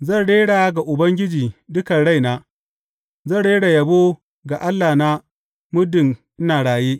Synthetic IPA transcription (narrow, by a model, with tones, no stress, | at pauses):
zɐ˦˨ɽeː˦ɽaː˨˦ɡa˨ʔʊ˨bɐ˦ŋɡʲɪ˦d͡ʒiː˨dʊ˦ka˨ɽa˦˨jnaː˦ | zɐ˦˨ɽeː˦ɽa˨jɐ˨bo˦ | ɡa˨ʔa˦lːaː˨na˦ | mʊ˦dɪ˨ŋʔɪ˦naː˨ɽaː˨jeː˦